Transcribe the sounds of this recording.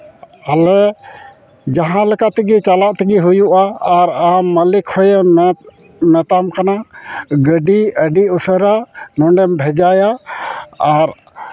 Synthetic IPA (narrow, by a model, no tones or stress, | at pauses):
alɛ | d͡ʒaɦãlɛkat̪iɡit͡ʃalaʔt̪iɡiɦujuʔaːɾamːəlikhɔj | mɛt̪amkanaɡəɖiəɖiusəɾanɔɳɖɛmbʱɛd͡ʒajaː | ɾ